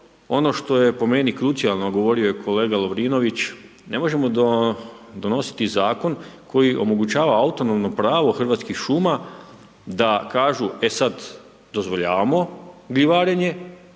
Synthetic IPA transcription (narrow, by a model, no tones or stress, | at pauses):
o̞no̞ʃt̪o̞je̞po̞me̞nikɾut̪sijalˠno̞ɡo̞ʋo̞ɾiojekʰo̞le̞ːɡalo̞ʋɾiːno̞ʋit͡ʃ | ne̞mo̞ʒe̞mo̞ | d̪o̞no̞si̥t̪izaːko̞nkʰo̞jiʔo̞̰mo̞ɡut͡ɕaːʋaaut̪o̞no̞mno̞pɾaːʋo̞xr̩ʋaːt̪skixʃuma | d̪akaːʒue̞sad̪ | d̪o̞zʋo̞ʎa̰ːʋamo̞ɡliʋaːɾeɲe̞